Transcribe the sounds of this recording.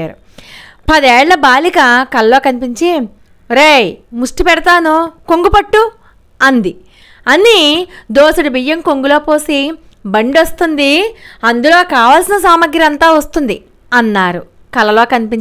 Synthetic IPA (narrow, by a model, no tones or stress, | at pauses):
aːɾu | pɐd̪ɛːɭlɐbaːlikɐkɐlɐlo̞ːkɐnipiɲt͡ʃi | ɾejmuʂʈipɛɽɐt̪aːnukoŋɡupɐʈːu | ɐnd̪i | ɐnːid̪oːsuɽibijːɐŋkoŋɡulo̞ːpoːsi | bɐɳɖɐst̪und̪iɐnd̪ulo̞ːkaːʋaːlsinɐs̬aːmɐɡɾiɐnt̪aːʋɐst̪und̪i | ɐnːaːɾu | kɐlɐlo̞ːkɐnipiɲ